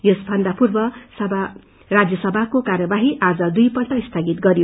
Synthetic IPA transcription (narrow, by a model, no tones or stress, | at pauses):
josbʱʌnd̪ʱapurbʌsʌbʱa | rad͡zjʌsʌbʱakokarjʌbaɦiʔad͡zʌd̪ujpʌlʈ̪ʌist̪ʰaɡit̪ɡʌɾijo